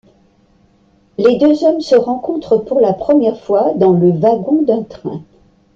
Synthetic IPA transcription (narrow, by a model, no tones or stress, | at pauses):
led̪øzɔmsəʁɑ̃kɔ̃t̪χəpuʁlapχəmjɛʁfwad̪ɑ̃ləvaɡɔ̃d̪ɛ̃t̪χɛ̰̃